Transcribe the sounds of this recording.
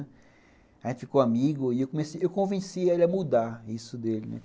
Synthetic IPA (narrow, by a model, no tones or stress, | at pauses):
aʒẽt̪ɪ̥fikoamiɡʊɪewkõmeseewkõvẽsielɪɐmud̪aisʊd̪elɪnɛ̰